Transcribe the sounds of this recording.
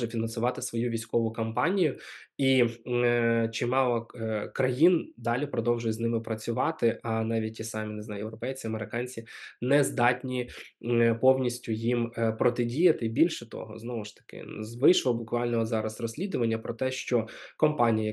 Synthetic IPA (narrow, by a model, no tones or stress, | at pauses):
ʒɛfʲinɐnsʊʋɑt̪ɪsʋɔjuʋʲijsʲkɔʋʊkɐmpɑnʲijʊi | t͡ʃimɑlˠɐkɾɐjind̪ɑlʲipɾɔd̪ɔwʒʊjznɪmɪpɾɐt͡sʲʊʋɑt̪ɪʔɐnɑʋʲit̚ʲtʲisɑmʲinɪznɑjjewɾɔpɛjt͡sʲiɐmeɾɪkɑnʲt͡sʲinɛzd̪ɑtʲnʲi | pɔwnʲisʲtʲʊjimpɾɔt̪ɪdʲijɐt̪ɪbʲilʲʃɛt̪ɔ̰ɦɔ̰znɔʋʊʃt̪ɐ̥kɪ̰zʋɪʃlˠɔbʊkʋɑlʲnɔɦɔzɑɾɐsrɔsʲlʲid̪ʊʋɐnʲːɐpɾɔt̪ɛʃt͡ʃɔkɔmpɑnʲijɐ